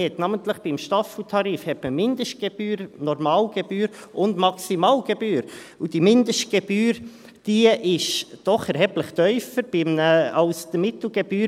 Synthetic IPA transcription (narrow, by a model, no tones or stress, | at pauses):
ɛt̪nɑːmənt̪ləχb̥ɪmʃtɑflt̪ʰɑɾiːfhɛtməmɪndəʃt̚ɡ̥eb̥yːɾnɔɾmɑːlɡ̥ɛb̥yːɾʔʊndmɑksimɑːlɡ̥ebyːɾud̥imɪndəʃt̚ɡ̥ɛb̥yːɾ | d̥iʔɪʃd̥ɔχɛɾhɛbləχt̪œʏfəɾb̥ɪməɑʊsd̥̪əmɪt̪l̩ˠɡ̥ɛb̥yː